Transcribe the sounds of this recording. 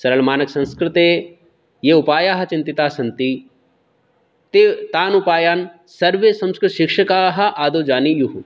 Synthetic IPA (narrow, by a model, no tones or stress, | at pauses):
sɐɾɐlmaːnɐksɐ̃nskɾɪt̪eː | jeupaːjaːɦɐ̆t͡ʃĩnt̪it̪aːsɐnt̪i | t̪et̪aːnupaːjaːn | sɐɾʋesɐ̃mskɾɪt̪ʃɪkʂɐkaːɦɐ̆ʔaːd̪oːd͡ʒaːnijuɦu